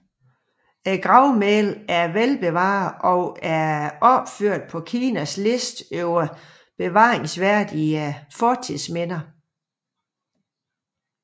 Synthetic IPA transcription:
æɡ̥ʁɑ̈ʊmelæɐʋelb̥e̝ʋɑ̰̈ːðˠɒ̽ʊæɐɒ̽b̥føɐ̰d̥̚pʰɒ̽kʰiːnæsle̝sd̥øʊɐ | b̥e̝ʋɑ̰̈ːʁeŋsʋæɐ̰d̥iæfɒːt͡sʰismen̰ɐ

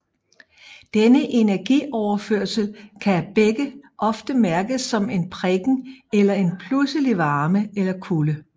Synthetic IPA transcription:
d̥enəʔe̝næɐɡ̥ḭːɒʊɐføɐ̰səl̩kʰææb̥eɡ̥əʔɒ̽fd̥əmæɐɡ̥əsːɒ̽me̝npʰʁeɡ̥ŋ̩elɐe̝npʰlusəliʋɑ̈ːməelɐkʰulə

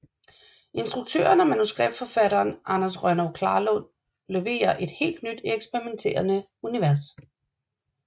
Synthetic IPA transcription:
ʔe̝nsd̥ʁuɡ̥̚t͡sʰø̰ːɐnæmænusɡ̥ʁɛb̥fɒ̽fæɾ̥ɐːnʔɑnɐsʁɶnɒʊkʰlɑ̈ːlɔn | leʋe̝̰ːɐʔe̝d̥he̝̰ːld̥nyd̥eɡ̥sb̥ɛʁiment͡sʰe̝̰ːɐnə | uniʋæɐs

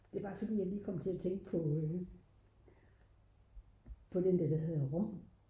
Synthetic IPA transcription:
d̥e̝b̥ɑ̈ːfɒd̥ḭːjɑ̈ɪliːkʰɒ̽mt͡sʰe̝læt͡sʰeŋɡ̥əpʰɒ̽ø | pʰɒ̽d̥end̥æd̥æɦeðˠʁɔm̰

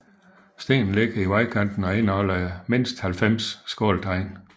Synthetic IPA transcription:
sd̥e̝̰ːnn̩leɡ̥ɐiʋɑ̈ɪkʰænd̥n̩ɒ̽e̝nɒ̽lɐme̝n̰sd̥hælfem̰sːɡ̥ɒ̰ːld̥ʰɑ̈ɪn

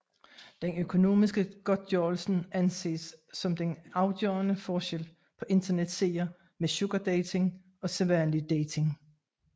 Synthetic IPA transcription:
d̥enøkʰo̝no̝̰ːmisɡ̥əɡ̥ɒd̥̚jɒːlsn̩ænse̝̰ːsːɒ̽md̥enɑ̈ʊd̥jøːɐnəfɒːɕel̰ | pʰɒ̽ʔe̝nd̥ɐned̥se̝̰ːɐ | meɕo̝ɡ̥ɐd̥eɪt͡sʰe̝ŋ | ɒ̽seʋæɐnlid̥eɪt͡sʰe̝ŋ

